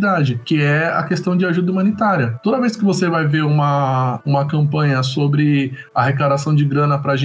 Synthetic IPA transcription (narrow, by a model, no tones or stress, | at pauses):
d̪ad͡ʒɪkɪɛɐ̰kest̪ɐ̃w̃d͡ʒɪaʒud̪ɐumɐ̃nit̪aɾiɐt̪od̪ɐvejskɪvosevajveɾũmɐũmɐkɐ̃mpɐ̃ɲɐsobɾɪ | ɐɦekad̪asɐ̃w̃d͡ʒɪɡɾɐ̃nɐpɾɐʒẽ